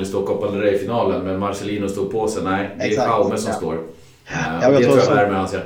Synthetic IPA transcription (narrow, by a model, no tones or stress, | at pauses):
ɪst̪oːɾkʰɔpːand̪əɾɛjfɪnɑːlənmɛnmaɾsɛliːnʊst̪uːɡ̪̚pʰoːsɛnɛɪd̪ɛɛpʰaʊməsɔmmst̪o̰ːɾ | ɛt̪ɾɾujad̪æːɾmeːd̪hanseːɾ